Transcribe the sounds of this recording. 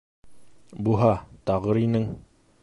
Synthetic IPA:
buɦɑt̪ɒʁɤɾinɘŋ

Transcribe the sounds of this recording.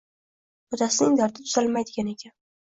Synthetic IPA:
ɒd̪asɪnɪŋd̪aɾt̪ʰɪt̪ʰʊzalmajd̪ɪɡʲane̞kʲʰan

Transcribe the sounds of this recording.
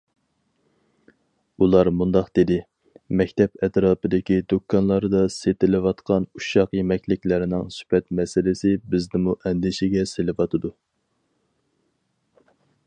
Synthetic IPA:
ulˠɑɾmund̪ɑqd̪̥ɪd̪ɪ | mɛkʲt̪ʰɛpɛt̪ɾɑːpɨd̪ɪkʲid̪okʰːɑnlˠɑɾd̪ɑset̪ɪlɪwɑt̪qɑnuʃɑqjemɛkʲlɪkʲlæɾɪnɪŋsy̥pɛt̪mɛsɪlɪsɪbɪznɪmuʔɛnd̪ɪʃɪɡʲɛselɪvɑt̪ʰɨd̪u

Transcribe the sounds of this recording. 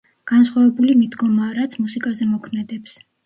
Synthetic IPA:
ɡ̥ansχwavɛbulimid̪ɡɔmaːɾat̪sʰmusikʼazɛmɔkʰmɛd̪ɛps

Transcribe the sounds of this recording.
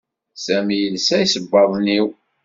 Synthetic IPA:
sæmjəlsæjsəbːɑðˤniw

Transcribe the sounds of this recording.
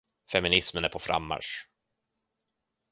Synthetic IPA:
fɛmɪnɪsmənæɾpʰɔfɾa̰mːa̰ʂ

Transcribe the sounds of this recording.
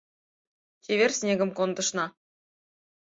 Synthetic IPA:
tʲeβʲerʲsʲnʲeɡʲə̆mkond̪ɤ̆ʃnɑ

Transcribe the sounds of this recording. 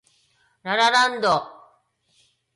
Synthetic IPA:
ɾaɾaɾand̪oq

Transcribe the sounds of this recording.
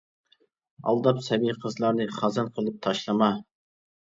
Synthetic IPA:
ɑ̰lˠd̪ɑpsɛbijqʰəzlˠɑɾnɨχɑzɑnqʰəlˠɨp̚t̪ʰɑʃlˠɨmɑ

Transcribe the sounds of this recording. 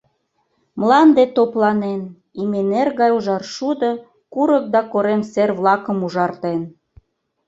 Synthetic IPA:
mlɑnd̪et̪oplɑnen | imenerɣɑjuʒɑrʃud̪ə | kuɾək̚d̪ɑkoɾemserβlɑkə̆muʒɑrt̪en

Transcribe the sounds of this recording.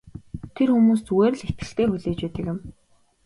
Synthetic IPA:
t̪ʰerxumuːsuweːr̆ɮet̪̚ɡɘ̆ɬt̪eːxuɮeːt͡ɕpeːt̪ə̆kɪ̆m

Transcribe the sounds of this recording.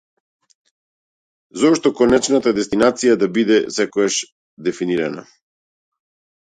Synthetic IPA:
zɔʃt̪ɔkɔnɛt͡ʃnat̪ad̪ɛst̪inat̪sijad̪abid̪ɛsɛkɔɡaʃ | d̪ɛfiniɾana̰

